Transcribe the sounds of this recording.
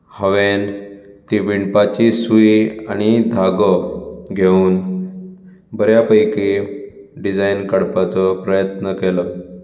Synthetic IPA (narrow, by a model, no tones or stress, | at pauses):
həʋen | t̪iʋiɳpat͡ɕisuiaɽ̃id̪ʱaɡəɡʱeuːn | bəɾjapəjki | ɖid͡zajnkəɽpat͡səpɾəjət̪nəkelə